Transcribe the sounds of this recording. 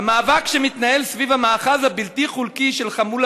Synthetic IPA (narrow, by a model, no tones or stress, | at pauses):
amaːvakʃemit̪nahe̞lsvivhamaːχazhabiltiχulkiʃelχamul